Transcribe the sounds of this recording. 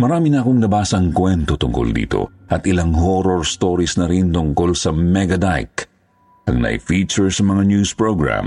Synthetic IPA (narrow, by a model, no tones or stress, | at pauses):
mɐɾaːmɪnɐʔɐkoŋnɐbaːsɐɐŋkwɛnt̪ot̪ʊŋko̰ld̪ḭːt̪o̞̰ʔɐt̪ɪlaŋɦoɾoɹst̪o̞ːɾisnɐɾint̪ʊŋko̞lsɐmɛɡɐd̪ajk | ʔɐŋnɐ̰jfiːt͡ʃɛɹsɐmɐŋanjuspɹoɡɹa̰m